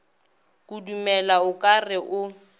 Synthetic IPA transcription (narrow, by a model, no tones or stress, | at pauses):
kʼudumɛlaʊkʼarɪʔʊ